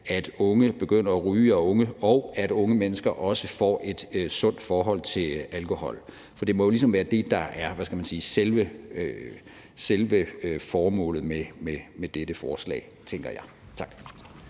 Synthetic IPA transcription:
æd̥ɔ̽ŋəb̥e̝ɡ̥øn̰ɐɒʁyːɐɔ̽ŋəɒʊæd̥ɔ̽ŋəmenəsɡ̥ɐʔɒ̽səfɒ̰ːʔe̝d̥sɔ̽n̰d̥fɒːɦɒ̽l̰t͡sʰe̝lælkʰo̝hɒ̽l̰ | fɒ̽d̥e̝mɒ̽jo̝lis̬ɒ̽mʋæːɐd̥e̝d̥ɑ̈ʔæɐʋæskæmænsiːselʋəø | selʋəfɒːmɔ̰̽ːlð̩ˠmememed̥ed̥əfɒːslɛ̰ːɪt͡sʰeŋ̰ɡ̥ɐjɑ̈ɪt͡sʰɑ̈ɡ̥

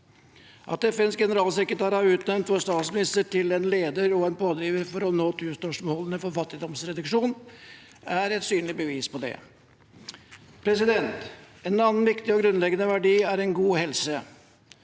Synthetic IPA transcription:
ʔɑ̰t̪ɛfɛnskɡɛnəɾɑːlsɛkɾət̪ʰɑːɾɑɾʉːt̪nɛmnt̪fɔst̪ɑːt̪smɪnɪst̪əʈʰɪlɛnleːd̪əɾɔɛnpʰoːd̪ɾiːʋəɾfɔɾɔnoːt̪ʰʉːst̪œʂmoːlənəfɔɾfɑt̪ːɪd̪ɔmsɾɛd̪ɑʂuːn | æɾɛt̪syːnlɪbəʋiːspɔd̪ɛ̰ | pʰɾɛsɪd̪ɛnt̪ | ɛnɑːnn̩ʋɪkt̪ɪɔɡɾʉnlɛɡənəʋæɖiːæɾɛnɡuːhɛlsə

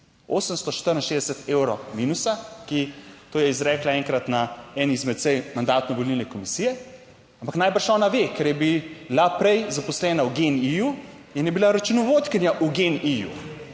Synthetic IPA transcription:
oːsəmst̪ɔʃt̪əɾinʃeːzd̪ɛsət̪ewɾɔminusakit̪oːjɛizɾɛːklaɛŋkɾat̪naɛnizmɛt̪sɛjmand̪aːt̪nɔʋɔlilnɛkɔmisiːjɛ | ãmpaknaːjbəɾʃɔːnaʋekɛɾjɛbilapɾɛjzapɔslɛːnauɡeniju | ɛnjɛbilaɾɐt͡ʃunɔʋot̪kənjaʔuɡenijṵ

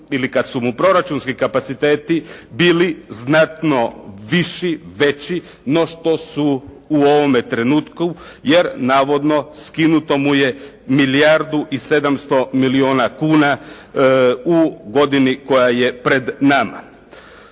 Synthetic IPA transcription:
ilikad̪sumupɾo̞ɾat͡ʃunskikapat̪sit̪eːt̪ibiːliznat̪no̞ʋiʃiʋe̞t͡ɕi | no̞ʃt̪o̞suː | o̞ʋo̞met̪ɾe̞nuːt̪ku | je̞ɾnaːʋo̞d̪no̞skinut̪o̞muje̞ | milijaɾd̪uʔise̞d̪amst̪o̞milio̞ːnakuːna | uɡo̞d̪iniko̞jaje̞pɾe̞d̪nama̰

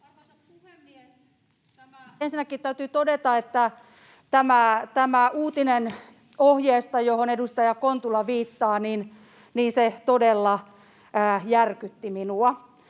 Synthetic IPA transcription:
uemːie | ensinːækːit̪t̪æyt̪yt̪odet̪ɑet̪ːæ | t̪æmæt̪æmæuːt̪inen | ohjeːst̪ɑjohonedust̪ɑjɑkont̪ulːɑʋiːt̪ːɑːnin | niːnset̪odelːɑ | əːjærkyt̪ːiminuɑ

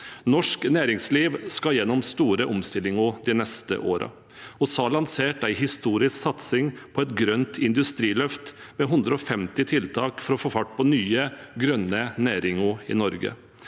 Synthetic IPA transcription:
nɔʂknæːɾɪŋsliːʋskɑjɛnːɔmst̪uːɾəʔɔmst̪ɪlːɪŋʊd̪ɪnɛst̪ə̰ʔoːɾɑ̰ | ɔsɑːlɑnseːʈæɪɦɪst̪uːɾɪsksɑt̪sɪŋpʰɔɛt̪ɡɾœnt̪ɪnd̪ʉst̪ɾiːlœft̪mɛɦʉnd̪ɾəɔfɛmt̪ɪt̪ʰɪlt̪ʰɑːkfɔɾɔfoːfɑʈːpʰɔnyːəɡɾœnːənæːɾɪŋuɪ̰nɔɾɡə̰

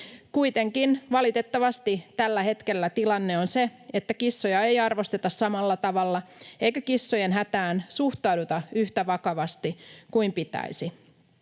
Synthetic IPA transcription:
kujt̪e̞ŋkinʋɑlit̪e̞t̪ːɑʋɑst̪it̪ælːæhe̞t̪ke̞lːæt̪ilɑnːe̞onseet̪ːækisːojɑejɑrʋost̪e̞t̪ɑssɑmɑlːɑt̪ɑʋɑlːɑejkækisːojenɦæt̪æːnsuht̪ɑudut̪ɑyht̪æʋɑkɑʋɑst̪ikuimpit̪æ̰isi

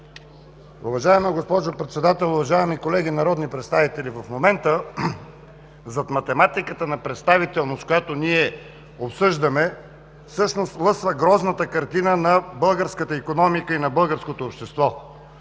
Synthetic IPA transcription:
uvɐʒaɛmiɡospɔʒopɾɛt̪sɛd̪at̪ɛlˠʊvɐʒaɛmikolɛɡ̟inɐɾɔd̪nipɾɛt̪st̪avit̪ɛlivɐfmomɛnt̪ə | zɐt̪mɐt̪ɛmat̪ikət̪ənɐpɾɛt̪st̪avit̪ɛlˠnoskojat̪oniɛ | opsɤʒd̪əmɛ | fsɤʃnost̪lˠɤsvəɡɾɔznət̪əkɐɾt̪inənɐbɤlˠɡəɾskət̪əikonɔmikəinɐbɤlˠɡəɾskot̪oːpʃt̪ɛst̪vɔ

